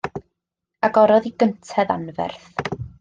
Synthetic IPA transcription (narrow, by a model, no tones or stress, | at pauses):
aɡɔɾɔðiɡəntʰɛða̰nvɛ̰rθ